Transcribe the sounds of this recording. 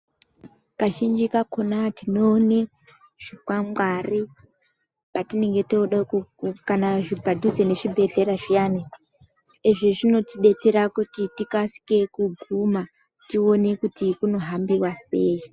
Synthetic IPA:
kaʃind͡ʒikakonatino̞ne̞ | ʐ̥ikwamɡwari | patine̞ŋɡe̞touɗakukanaʐibadʱusene̞ʐibʱe̞ɮe̞ɾaʐijane | eʐiʐino̞tiɗe̞t͡seɾakutitikasi̥ke̞kuɡʱuma | tio̞ne̞kutikuno̞ɦambiwase̞ːji

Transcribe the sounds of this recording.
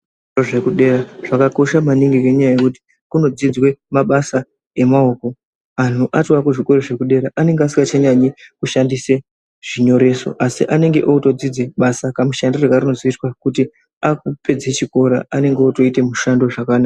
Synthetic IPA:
oʐekuɗe̞ːɾaʐ̥akako̞ʃamaniŋɡikeɲajajekuti̥ | kuno̞d͡zid͡zwe̞maɓasa | e̞maoːko̞ | an̤uʔatwakuʐiko̞roʐe̞kuɗe̞ːɾaʔane̞ŋɡeas̬iŋɡat͡ʃaɲaɲikuʃandise̞ | ʐiɲo̞ɾe̞ːso̞̰ʔasḭʔane̞ŋɡe̞ʔoto̞d͡zid͡zeɓasakamuʃandoreɡʱarino̞zoitwakuti | ak̚upe̞d͡zet͡ʃiko̞ɾa̰ʔane̞ŋɡeoto̞ite̞muʃando̞ʐakanaa

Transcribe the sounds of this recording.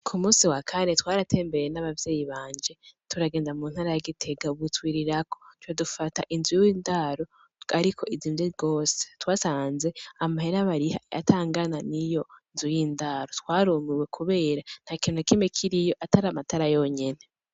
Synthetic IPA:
kʰumuːsiwakʰane̞twaːɾatʰe̞ːmbeɾenaβavjeːjiβaːɲd͡ʒe̞tuɾaɡe̞ːndamuːn̥haːɾajaɡitʰe̞ɡauβutwiːɾiɾako̞twodufata̰ʔinzujiwiːndaɾo̞ | aɾikʰo̞ʔiziːmjeɡo̞ːse̥twaːsaːnze̞amahe̞ɾaβaɾiha̰a̰tʰaːŋɡananijo̞nzujiːndaɾotwaːɾumiwe̞kʰuβe̞ːɾan̥hakiːn̥hukimekʰiɾijo̞ʔataɾamatʰaɾajoɲe̞ne̞

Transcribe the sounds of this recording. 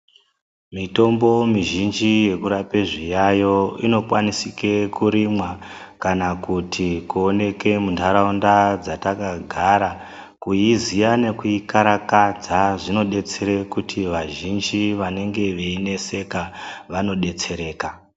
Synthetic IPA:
mito̞mbo̞miʒind͡ʒije̞kuɾapeʐijajo̞ino̞kwanisike̞kuɾimwakanakutʰikuone̞ke̞muntʰaɾaundad͡zatakaɡʱaɾa | kuizijane̞kuikaɾakad͡zaʐino̞ɗe̞t͡seɾekutʰiʋaʒind͡ʒiʋane̞ŋɡe̞ʋeine̞se̞kaʋano̞ɗe̞t͡se̞ɾe̞ːka

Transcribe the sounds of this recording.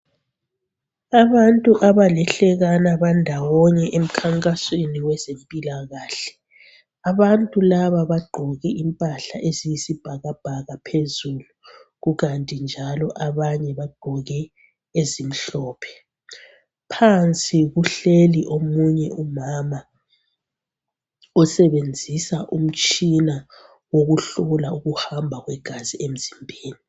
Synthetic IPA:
aβantʼuʔaβalɛɬɛɣanaβandʱawɔɲɛʔem̩kʰaŋkʼasweniwɛzempʼilaɣaːɬɛ̥ | aβantʼulaβaβaɡ͡ǃʱɔɣɛʔimpʼaɬa̰ʔezijisib̥ʱaɣab̥ʱaɣapʰezuluɣuɣantʼind͡ʒʱalɔʔaβaɲɛβaɡ͡ǃʱɔɣɛ | ezim̩ɬɔːpʰɛ̥ | pʰant͡sʼiɣuɬeliʔomuɲɛumama | ɔsɛβend͡zʱisaʔum̩t͡ʃʼina | woɣuɬulauɣuhambʱaɣwɛɡ̥ʱaziʔem̩zimbʱeːni

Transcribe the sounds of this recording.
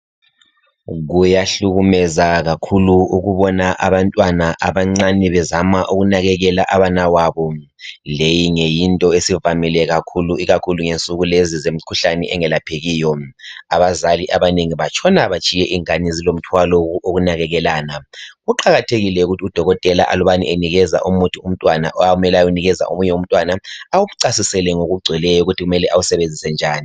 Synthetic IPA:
ɣujaɬuɣumɛzaɣakʰuluuɣuβɔnaʔaβantʼwanaʔaβaŋ͡ǀanɛβɛzamaʔuɣunaɣɛɣɛlaʔaβanawaβɔ | lejiŋejintʼɔesivamilɛɣakʰuluiɣakʰuluŋent͡sʼuɣulezizem̩kʰuɬanɛʔɛŋɛlapʰeɣiːjɔaβazaliʔaβaneŋiβat͡ʃʰʼɔnaβat͡ʃʰʼijɛʔiŋanizilom̩tʰwalɔoɣunaɣɛɣɛlaːnaɣuǃaɣatʰeɣilɛuɣutʰiud̥ʱɔɣɔtʼɛla̰ʔa̰luβanḭʔeniɣɛza̰ʔumutʰium̩tʼwana̰ʔɔaumɛlajuniɣɛza̰ʔṵmuɲɛum̩tʼwanaawuβuǀasisɛlɛŋoɣuɡ͡ǀʱɛlɛjɔuɣutʰiɣumɛlɛʔawusɛβend͡zʱisɛnd͡ʒʱaːni

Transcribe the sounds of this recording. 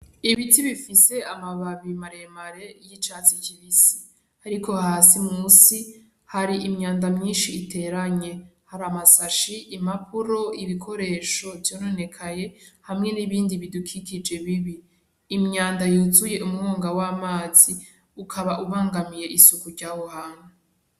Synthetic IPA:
iβitiβifise̞amaβaβimaɾe̞maɾe̞jit͡ʃaːt͡siciβisi̥ | aɾiko̞haːsimuːsi | haɾiʔimɲaːndamɲiːnʃiːte̞ɾaɲe̞haɾamasaʃiʔːmapʰuɾo̞iβikʰo̞ɾe̞ːʃo̞vjo̞ːno̞ne̞kʰaje̞hamŋe̞niβiːndiβidukʰikid͡ʒe̞βiβiː | mɲaːndajuːzuje̞ʔumŋoːŋɡawaːmaːz̥i | ukʰaβaʔuβaːŋɡamije̞ʔisukuɾɟaːhohaːnwe

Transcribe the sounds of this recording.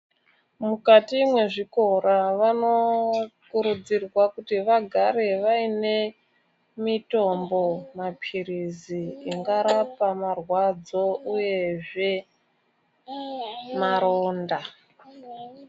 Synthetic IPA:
mukatimwe̞ʐiko̞ɾaʋanokuɾud͡zirwakutiʋaɡʱaɾe̞ʋaine̞ | mito̞mbo̞mapʰiɾiziːŋɡaɾapamarwad͡zo̞uje̞ʐe̞ | maɾoːnda

